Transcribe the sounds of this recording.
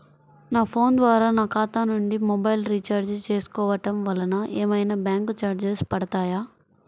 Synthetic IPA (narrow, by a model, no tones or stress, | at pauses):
naːpʰo̞ːnd̪ʋaːɾaːnaːkaːt̪aːnuɳɖimɔbɐjlɾiːt͡ʃaːɾd͡ʒt͡ʃeːsu̥kɔːʋɐʈɐmʋɐlɐnɐʔeːmɐjnaːbjaːŋkt͡ʃaːɾd͡ʒespɐɽɐt̪aːjaː